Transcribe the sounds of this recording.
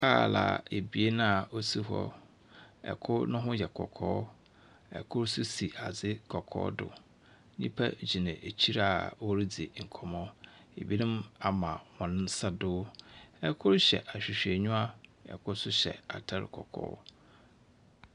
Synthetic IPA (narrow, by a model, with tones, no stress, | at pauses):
kʰaː˦˨la̰˨e˨bi˨e˦nã˦˨o˦si˦ɦɔ̰˦ | ɛ̰˨kʰʊ˦nʊ̃˦ɦʊ̃˦jɛ˨kʰɔ̰˨kʰɔ̰ː˦ | ɛ̰˨kʰʊ˦ɾsʊ˦si˨a˨d͡zɪ˦kʰɔ˨kʰɔ̰ː˦dʊ̰˨ | ɲĩ˦pʰa˦d͡ʑi˨nã˨ʔe˨t͡ɕʰi˦ɾa˨wo˦ɾi˦d͡zi˨ŋ̩˨kʰɔ˨mɔ̃˦ | ḛ˨bi˦nɪ̃˦ma˨mã˨wɔ̃˨nʊ̃˦n˦sa˦dʊː˦ɛ˦kʰʊ˦ɾɕɛ̰˨ʔa˨ɕᶣi˨ɕᶣe˨ɲũ˦a˦ɛ̰˨kʰʊ˦sʊ˦ɕɛ̰˨a̰˨tʰa˦ɾɪ̰˨kʰɔ̰˨kʰɔ̰ː˦